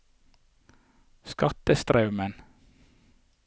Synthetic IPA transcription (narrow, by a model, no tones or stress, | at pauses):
skɑt̪əst̪ɾɑʉmən